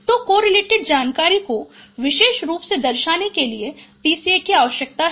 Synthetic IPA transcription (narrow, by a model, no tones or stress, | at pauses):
t̪okoːɾɪleːʈɪɖ̚d͡ʒaːnkaːɾikoʋɪʃeːʃɾuːpsed̪ɐɾʃaːnekeliepiːsiekiaːʋəʃjək̚t̪aɦ